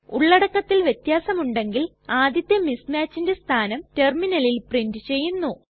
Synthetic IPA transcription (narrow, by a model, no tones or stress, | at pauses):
uɭːɐɽɐkːɐt̪ːilʋjet̪jaːsɐmuɳɖe̞ŋɡil | aːd̪jɐt̪ːjɐmismaːt͡ɕːinde̞st̪ʰaːnɐmte̞rminɐlilprindɨt͡ɕe̞jːunːu